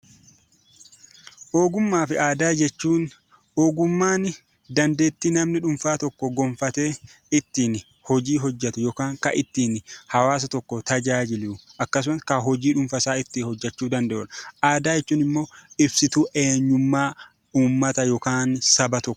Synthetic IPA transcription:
ʔoːɡʊmːaːfɪʔaːd̪aːd͡ʒɛt͡ʃːuːn | oːɡʊmːaːnɪ | d̪ɐnd̪e̞ːt̪ːiːnɐmnɪᶑʊmfaːt̪ɔkːɔɡɔmfɐt̪e̞ː | ɪt̪ːiːn | hɔd͡ʒiːɦɔd͡ʒːɐt̪ʊjɔkaːŋkɐ̰ʔɪt̪ːiːnhɐwaːs̬ɐt̪ɔkːɔt̪ɐd͡ʒaːd͡ʒɪlɪʔɐkːɐs̬ʊmɐskɐɦɔd͡ʒiːᶑʊmfɐsaːɪt̪ːihɔd͡ʒːɐt͡ʃːuːd̪ɐnd̪ɛʔɔᶑɐʔaːd̪aːjɛt͡ʃːuːnɪmːo̞ːɪbsɪt̪uːʔe̞ːɲːʊmːaː | uːmːɐt̪ɐjɔkaːnsɐbɐt̪ɔkːɔ̥

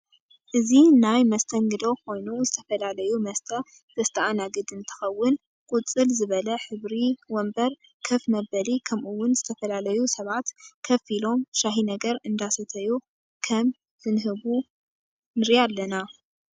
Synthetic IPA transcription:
ʔɨzinajmɐst̪ʰɐŋɡɨd̪o̞kʰo̞jnuzɨt̪ʰɐfɐlalɐjumɐst̪ʰɐ | z̥ɐst̪ʰɐʔanaɡɨd̪ɨnt̪ʰɨ̥xɐwːʊn | kʼut͡sʼɨlzɨβɐlɐħɨβɾiwɔmbɐɾ | kʰɐfmɐbɐlikʰɐmʔuwːʊnzɨt̪ʰɐfɐlalɐjusɐβat̪kʰɐfilo̞mʃaɦinɐɡɐɾɨnd̪asɐt̪ʰɐju | kʰɐm | zɨnɦɨβu | nɨɾjalːɐna

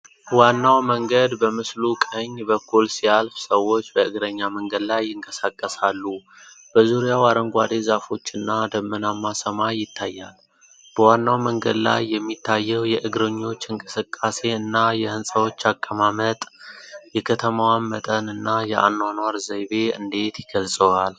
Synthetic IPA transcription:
wanːawməŋɡəd̪bəmɨslukʼəɲːbəkʰːulsijalfsəwːo̞t͡ʃːbəʔɨɡɾəɲːaməŋɡəd̪lajːɪŋkʼəsakʼːəsalːu | b̥əzuɾijawaɾəŋɡʷad̪e̞zafo̞t͡ʃːɨnːad̪əmːənamːasəmajːɪt̪ʰːajːa̰l | b̥əwanːawməŋɡəd̪la̰jːɛmːit̪ʰːajːɛwjɛʔɨɡɾəɲːo̞t͡ʃːɨŋkʼɨsɨkʼːase̞ɨnːajɛhɨnsʼəwo̞t͡ʃːakʼːəmamət̪ʼjɛkʰət̪ʰəmawanmət̪ʼənɨnːajɛʔa̰nːwanwaɾzəjβe̞ɨ̰nd̪e̞t̪jɪɡəlsʼəwal

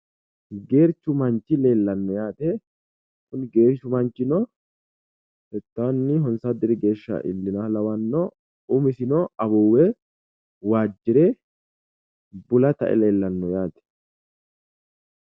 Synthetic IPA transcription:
ɡe̞ːɾt͡ʃːʊmɐnt͡ʃːɪleːlːɐnːɔjaːt̪ɛ | kʊnɡe̞ːɾt͡ʃːʊmɐnt͡ʃːɪnɔ | hɛt̪ːaːnːɪɦɔnsad̪ɪɾɪɡe̞ːʃːɐ̰ʔɪ̰lːɪnalɐwɐnːɔ | ʊmɪsɪnɔɐbɔwɛ | waːd͡ʒːɪɾɛ | bʊlɐt̪ɐ̰ʔɛ̰le̞ːlːɐnːɔjaːt̪ɛ̥

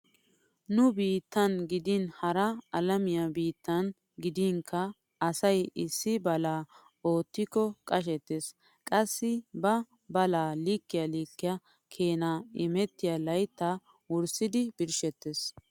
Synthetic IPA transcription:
nʊbiːt̪ːɐnɡɪd̪inhɐɾɐɐlɐmɪjɐbiːt̪ːɐn | ɡɪd̪iːŋkʰːɐ | ɐsɐjɪsːɪbɐlaː | o̞ːt̪ːɪkːɔkʼɐʃ̬ɛt̪ːes | kʼɐsːɪbɐ | bɐlaːlikːɪjaliːkːɪja | kʰe̞ːnaːɪmɛt̪ːɪjalɐjt̪ːa | wʊɾsɪd̪ɪb̥ɪɾʃɛt̪ːes

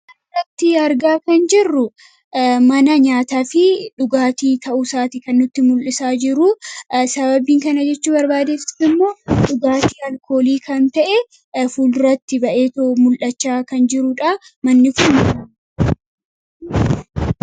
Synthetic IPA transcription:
rɐt̪ːɪɐɾɡaːkɐnd͡ʒɪrːʊ | mɐnɐɲaːt̪aːfɪᶑʊɡaːt̪iːt̪ʰɐʔʊsaːt̪ɪkɐnːʊt̪ːɪmʊlʔɪsaːd͡ʒɪɾʊsɐβɐbiːŋkɐnɐd͡ʒɛt͡ʃːuːbɐɾbaːd̪eːfɪ̥sɪmːo̞ːᶑʊɡaːt̪iːɐlkʰo̞ːliːkɐnt̪ɐʔɛ | fuːlɾɐt̪ːɪbɐʔeːt̪oʔmʊlʔɐt͡ʃːaːkɐnd͡ʒɪɾʊᶑamɐnːɪfuːnɐ

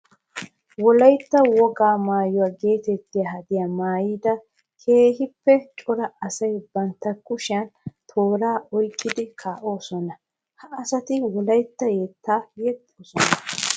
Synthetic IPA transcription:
wɔlɐjt̪ːɐwɔɡaːmaːjɔwaːɡe̞ːt̪ɛt̪ːɪjahɐd̪ɪjaːmaːjiːd̪ɐ | kʰe̞ːɦɪpːɛt͡ʃʼɔɾɐɐsɐjbɐnt̪ːɐkʼːʊʃɪjɐnt̪ʰo̞ːɾaːɔjkʼːɪd̪ɪkʰaːʔo̞ːsɔnɐ | hɐʔːsɐt̪ɪwɔlɐjt̪ːɐjeːt̪ʰːaːjɛt̪ːoːsɔnɐ

